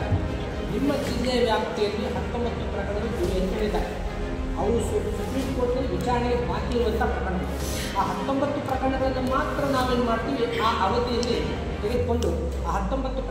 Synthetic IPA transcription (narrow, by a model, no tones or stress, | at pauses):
nimːɐd̪inːɐjɐʋjaːp̚t̪ɛjɐlːiɦɐt̪ːombɐt̪ːupɾɐkɐɐɳɐɡɐɭuɡuːɾɐjɐt̪ːɐnid̪a̰ːɾe | ɐʋɐɽususupɾimko̞ːɾʈnɐlːiʋit͡ʃaːɾiɡebaːt̪ijuʋɐnt̪ɐpɾɐkɐɽɳɐɐ | aːɦɐt̪ːo̞mbɐt̪ːupɾɐkɐɐɳɐɡɐɭɐnːumaːt̪ɾɐnaːʋueːnːumaːɽt̪iːʋiaːʔɐʋɐt̪ijɐlːi | t̪eɡed̪̚ko̞ɳɖu | aːɦɐt̪ːo̞mbɐt̪ːup